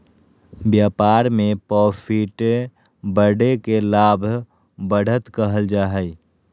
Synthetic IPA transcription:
bjaːpaːɾmepɔpʰiʈ | bəɽekelaːbʱ | bəɽ̤ʱət̪kəɦəld͡ʒaːɦəj

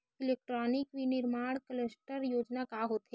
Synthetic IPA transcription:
ɪleːk̚ʈɾɔːnɪkʋinɪɾmaːɽ̃kələsʈəɾjoːd͡ʒnakaɦoːt̪ɦe

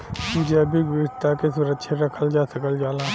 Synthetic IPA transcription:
mʊd͡ʒeɐbʱiɡʋɪɾt̪akesuɾəkʃʰeɾɐkʰəld͡ʒaːsəkəld͡ʒaːla

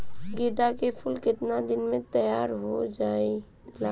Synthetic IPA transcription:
ɡed̪akepʰʊlkɪt̪nad̪ɪnmẽt̪əjaːɾɦo̰d͡ʒaːi | la

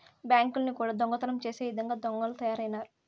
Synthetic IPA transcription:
bjaːŋkulnikuːɽaːd̪ɔŋɡɐt̪ɐlɐmt͡ʃe̞ːseːjid̪ɐŋɡaːd̪ɔŋɡɐlɐt̪ɐjaːɾɐjnaːɾu

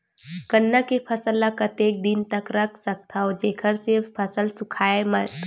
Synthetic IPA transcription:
kənːakepʰəsəlːãkət̪eːk̚d̪int̪əkɾəkʰsək̚t̪ʰaod͡ʒeːkʰəɾsepʰəsəlsʊkʰaːemət̪

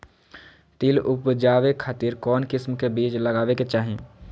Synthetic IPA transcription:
t̪ilʊpd͡ʒaːʋekʰaːt̪iɾkɔːnkɪsmkebiːt͡ʃləɡaːʋeket͡ʃaːɦẽː

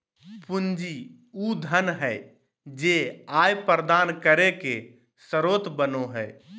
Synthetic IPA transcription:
pund͡ʒi | ud̪ʱənɦɛɪ | d͡ʒeajpəɾəd̪ankəɾeke | səɾot̪bənoɦɛ

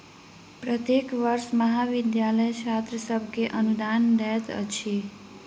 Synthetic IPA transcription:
pɾət̪jekʋəɾsməɦaʋid̪jaləjt͡ʃʰat̪ɾəsəbʱkeʔənud̪andɛt̪ə̰t͡ʃʰi

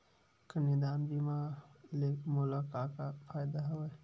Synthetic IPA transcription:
kənid̪aːnbimaleːkmʊlakaːkapʰaːjd̪aɦɐwə

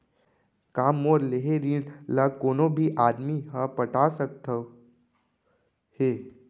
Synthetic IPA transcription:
kaːmːoːɾleɦeɾiɖlakoːnõbʱiʔaːd̪miɦãpəʈʰaːsək̚t̪ʰə | heː

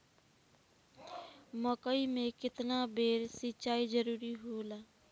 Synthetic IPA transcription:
məkəimẽkɪt̪nabeːɾsɪt͡ʃaːid͡ʒəɾuːɾiɦoːlaː

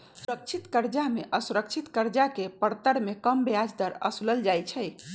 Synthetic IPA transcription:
suɾək̚t͡ʃʰit̪kəɾd͡ʒameʔəsuɾək̚t͡ʃʰit̪kəɾd͡ʒakepəɾt̪əɾmekəmbead͡ʒd̪əɾə̰suləld͡ʒajt͡ʃʰɛ

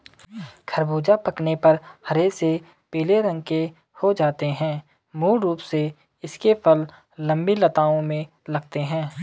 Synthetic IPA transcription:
kʰɐɾbuːd͡ʒapɐknepɐɾhɐɾese | peːleɾə̃ŋɡ̚ke | hod͡ʒaːt̪eɦɛ̃ː | muːlɾuːpse | ɪskepʰəlː | ɐ̃mbilɐt̪aːõmẽ | lɐɡ̚t̪eɦɛ̃ː

